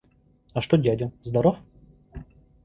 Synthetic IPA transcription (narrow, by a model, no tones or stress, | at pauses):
ɐʂt̪odʲadʲəzd̪ɐɾof